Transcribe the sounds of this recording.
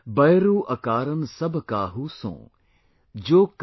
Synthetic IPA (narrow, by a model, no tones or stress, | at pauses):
bɐjɾuːʔɐkaːɾən̆sɐbʱkaɦuːsõ̰ː | d͡ʑoːk